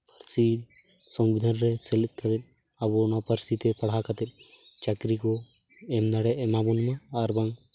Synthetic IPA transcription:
pəɾsi | sɔmbid̪ʱanɾɛsɛlɛt̪̚ˀkʰat̪ɛt̪̚ | abɔnɔpəɾsit̪ɛpaɽ̤akat̪ɛt̪̚ˀt͡ʃakɾikɔ | ɛmnaɽɛʔmabunmaːɾbaŋ

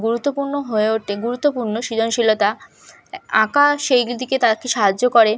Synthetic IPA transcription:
ɡuɾut̪ːopuɾnoɦoeoʈeɡuɾut̪ːopuɾnoʃid̪ʱonʃilot̪a | ãkaʃejd̪iket̪aɾkeʃaɦad͡ʑːokoɾe

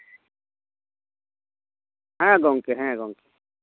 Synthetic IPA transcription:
ɦɛ̃ɡɔŋkeɦɛ̃ɡɔ̃ːŋke̥

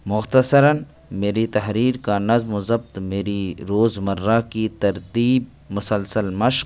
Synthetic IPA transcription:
mʊxt̪əsəɾən | meːɾit̪ɐɦɾiːɾkanɐzmʊzəbt̪meːɾiɾoːzmɐɾːakit̪ɐɾt̪iːb̚ | mʊsəlsəlmɐʃq̚

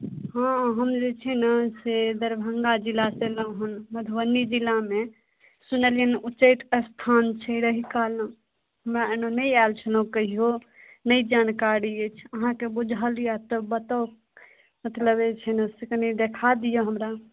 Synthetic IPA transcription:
ɦãɦəmd͡ʒet͡ʃʰɛnəsed̪əɾbʱəŋɡad͡ʒilaseləɦənməd̪ʱwənːid͡ʒilːame | sunəljənut͡ʃəɪt̪əst̪ʰant͡ʃʰəɾəɦikalə | ɦəmɾaenonəjalt͡ʃʰənokəɦio | nəid͡ʒankaɾiet͡ʃʰəɦãkebud͡ʒʱalijat̪əbət̪ao | mət̪ləbet͡ʃʰɛnəsiknid̪ekʰad̪ijoɦəmɾa

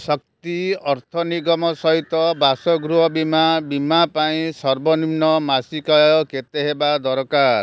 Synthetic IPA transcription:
sɔk̚t̪iɔɾt̪ʰɔniɡɔmɔsɔɦit̪ɔbasɔɡɾuɦɔbimabimapaĩsɔɾbɔnimnɔmasikajɔket̪eɦebad̪ɔɾɔkaɾɾ

